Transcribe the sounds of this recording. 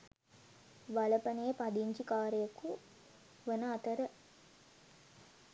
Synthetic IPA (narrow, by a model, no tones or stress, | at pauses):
ʋɐlɐpɐnejɐpɐd̪iɲt͡ʃikaːɾəjɐku | ʋɐnɐːt̪ɐɾə